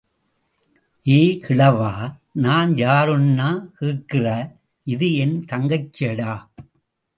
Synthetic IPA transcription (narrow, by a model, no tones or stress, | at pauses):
ʔeːkʰɪɭɐʋaːnaːnjaːɾɯnːaːkɯːkːɪrɐ | ʔɪðɯɛnt̪ɐŋɡɐɪt͡ʃːeɽaː